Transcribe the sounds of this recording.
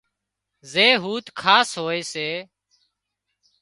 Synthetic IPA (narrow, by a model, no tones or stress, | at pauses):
zeːɦuːt̪kʰaːsɦoːeːseː